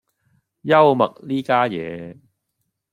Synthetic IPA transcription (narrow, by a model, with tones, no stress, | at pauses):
jɐ˥wmɐ˨k̚liː˥kaː˥jɛ̰ː˨˧